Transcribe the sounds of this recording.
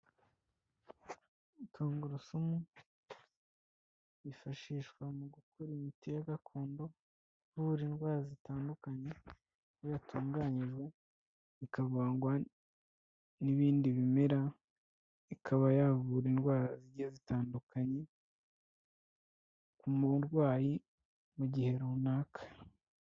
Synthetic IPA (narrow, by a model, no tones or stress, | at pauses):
itʰoːŋɡuɾusumu | ifaʃiːʃkwamuɡukʰoɾimiteakakʰoːndo̞ | vuɾinɡwaːɾazitaːndukaɲe̞ | jatʰuːŋɡaːɲiʒwe | ikaβaːŋɡwa | niβiːndiβimeɾa | ikʰaβajavuɾinɡwaːɾaziɾɟezitaːndukʰaɲe̞ | kumuɾɡwaːji | muɟihe̞ɾunaːkʰḁ